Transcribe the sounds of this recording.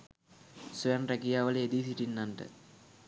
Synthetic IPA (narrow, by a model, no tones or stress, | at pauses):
suanrækijaːʋələed̪isiʈinːanʈə̰